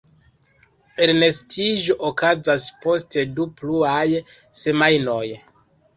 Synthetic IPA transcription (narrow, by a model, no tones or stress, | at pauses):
elne̞stʰiʒo̞ʔokazaspo̞ste̞dupluajse̞majno̞j